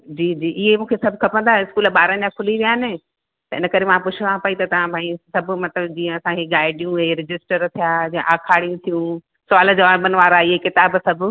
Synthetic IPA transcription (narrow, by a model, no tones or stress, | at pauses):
d͡ʑiːd͡ʑiːʔɪɦemũːkʰesɐbʱkʰɐpə̃nd̪aɦɪskuːlɓaːɾənd͡ʑakʰʊliʋijaːɦnɪ | t̪ɐɪ̰nəkɐɾemãpʊt͡ɕʰɪʋãpaːit̪ɐt̪ɐʋ̤ãbʱãːĩsɐbʱʊmɐt̪ləbd͡ʑĩːə̃ɐsãkʰeɡaːɪɖijũɦeɾɪd͡ʑɪsʈəɾt̪ʰijaːd͡ʑiə̃ʔaːkʰaːɽijũt̪ʰijũ | saːləd͡ʑɐʋaːbənʋaːɾaɪɦekɪt̪aːbsɐbʱ